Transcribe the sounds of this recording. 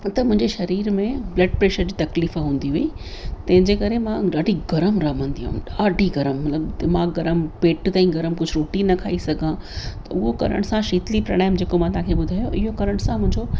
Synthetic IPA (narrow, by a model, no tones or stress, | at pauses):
t̪ɐmʊ̃ɦɪ̃ɲd͡ʑeʃɐɾiːɾmẽblɐːɖ̚pɾeːʃəɾd͡ʑiːt̪ɐkliːfɦũːn̆d̪iɦuit̪ɐ̃ɦɪ̃ɲd͡ʑekɐɾemãɖaːɖʱiɡɐɾəmɾɐmə̃nd̪iɦṵ̃ɗaːɖʱiɡɐɾəmːɐt̪ləbd̪ɪmãːɡɡɐɾəmpeːʈt̪ãːĩɡɐɾəmkʊd͡ʑʱʊɾoːʈinɐkʰaːisɐɡʱã | t̪ɐʊɦokɐ̰ɾə̰ɽ̃sãʃiːt̪lipɾɐ̰ɽaːɪmd͡ʑeːkomãt̪ɐãkʰeɓʊd̪ʱaːjoʔɪɦokɐɾəɽ̃sãmʊ̃ɦɪ̃ɲd͡ʑo